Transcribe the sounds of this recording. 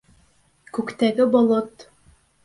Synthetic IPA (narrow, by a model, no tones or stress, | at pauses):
kʉkt̪æɡɘbolˠɤt̪